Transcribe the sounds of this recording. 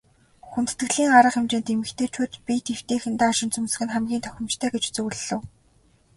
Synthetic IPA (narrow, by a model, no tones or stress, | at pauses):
xunt̪̆t̪ɡɘ̆ɮiːŋɢaɾə̆χemt͡ɕeːnt̪emɘ̆xt̪ʰeːt͡ɕʰuːt̪pʲit̪ew̥t̪eːxɘ̆nt̪aːɔʃɪ̆nt͡sɵmsɘ̆xɘ̆nχæmɡʲiːnt̪ʰœ̥xʲɪ̆mt͡ɕt̪ʰœːɡet͡ɕt͡sɵɣɮɮɘ̆w